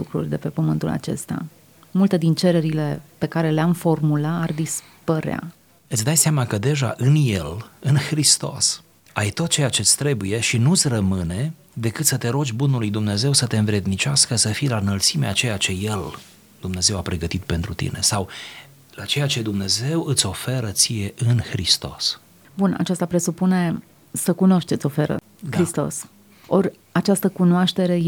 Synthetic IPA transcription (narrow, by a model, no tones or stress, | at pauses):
lukɾṵrʲd̪e̞pe̞pəmɨnt̪ula̰t͡ʃe̞̰st̪ea̰ | mult̪e̞d̪int͡ʃe̞ɾeɾile̞pe̞kaɾe̞leamfo̞rmulaard̪is | pəɾea̰ | ɨt̪sʲd̪ajseamakəd̪e̞ʒa̰ʔɨnje̞lɨnxɾist̪o̞̰s | ajt̪o̞t̪̚t͡ʃe̞jat͡ʃe̞t̪sʲt̪ɾe̞buje̞ʃinut̪sʲrəmɨne̞ | d̪e̞kɨt̪sət̪e̞ɾo̞d͡ʒʲbunulujd̪umne̞ze̞wsət̪e̞ɨnvɾe̞d̪nit͡ʃʲaskəsəfijlanəlt̪simeat͡ʃe̞jat͡ʃe̞je̞l | d̪̥umne̞ze̞wapɾe̞ɡət̪it̪̚pe̞nt̪ɾut̪ḭne̞̰saw | lat͡ʃe̞jat͡ʃe̞d̪umne̞ze̞wɨt̪sʲo̞fe̞ɾət̪sije̞ʔɨnxɾist̪o̞̰s | buna̰t͡ʃast̪apɾe̞supune̞ | səkuno̞ʃt̪t͡ʃet̪ʲo̞fe̞ɾə̰ | kɾist̪o̞̰s | o̞rʲ | at͡ʃast̪əkunoaʃt̪e̞ɾe̞